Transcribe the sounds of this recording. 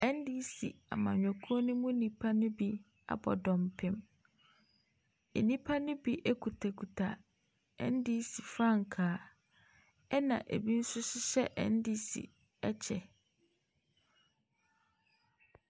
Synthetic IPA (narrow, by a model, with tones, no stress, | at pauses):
ɛ˦n˦di˦si˨a̰˨mã˨ɲᶣɔ˨kʰu˦ɔ˦nʊ̃˦mũ˦nĩ˨pʰa˦nʊ̃˦bi˦ | a̰˨bɔ̰˨dɔ̃˨mpʰɪ̃˨m | e˨nĩ˦pʰa˦nʊ̃˦bi˦ʔe˦kʰu˨tʰa˨kʰu˨tʰa˨ | ɛ̰̃˦n˦di˦si˨fɾã˦˨ŋ̩˨kʰaː˨˦ | ɛ˦nã̰˨ʔḛ˨bi˦n̩˦sʊ˦ɕɪ˦ɕɛ˦ʔɛ̰̃˨n˦di˦sḭ˨ | ɛ˦t͡ɕʰɛ˨